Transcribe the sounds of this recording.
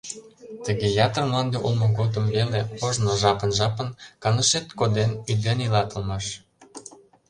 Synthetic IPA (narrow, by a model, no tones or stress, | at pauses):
t̪əɣejɑt̪ərmlɑnd̪eʔulmoɣot̪əmβeleoʒnoʒɑpənʒɑpənkɑnəʃet̪kod̪enyd̪enilɑt̪ə̆lmɑʃ